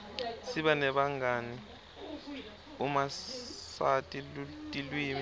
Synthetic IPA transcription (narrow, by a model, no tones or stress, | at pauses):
siɓanɛɓaŋani | umasatʼilutʼilwiːmi